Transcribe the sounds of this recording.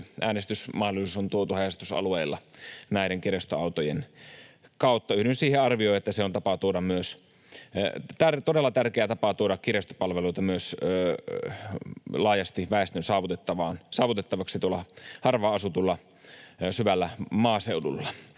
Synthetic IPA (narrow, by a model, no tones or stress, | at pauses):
ʔæːnest̪ysmɑhdolisusont̪uot̪uhæjɑst̪usɑ̰lueilːɑ̰næiɾeŋkirest̪oɑwt̪ojen | kɑut̪ːɑyhdynsiːheɑrʋioiet̪ːæseont̪ɑpɑt̪uoɾɑmmyøs | t̪ært̪odelːɑt̪ærkeæt̪ɑpɑt̪uoɾɑkkirest̪o̥pɑlʋeluit̪ɑmyøs | lɑːjɑst̪iʋæest̪ønsɑːʋut̪et̪ːɑʋɑːnsɑːʋut̪et̪ːɑʋɑksit̪uolɑhɑrʋɑːɑsut̪ulːɑ | syʋælːæmɑːseudṵlːɑ